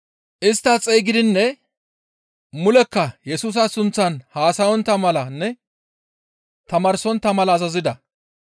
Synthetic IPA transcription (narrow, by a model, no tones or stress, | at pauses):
ʔɪst̪ːɐt͡sʼejɡɪd̪ɪnːɛ | mʊlɛkːɐjɛsuːs̬ɐsʊnt͡sːɐnhaːsɐjɔnt̪ːɐmɐlɐnːɛ | t̪ɐmɐːɾsɔnt̪ːɐmɐlɐːzɐzɪd̪ɐ